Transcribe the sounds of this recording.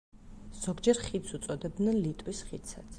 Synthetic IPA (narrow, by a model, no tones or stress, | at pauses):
z̥ɔɡd͡ʒɛɾχit̪sut̪sʼɔd̪ɛb̚d̪nɛnlit̪ʼwisχit̪sʰat̪sʰ